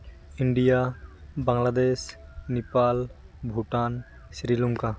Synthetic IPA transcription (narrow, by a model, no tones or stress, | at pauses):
iɳɖijabaŋlad̪esnipal | bʱuʈan | sɾiluŋka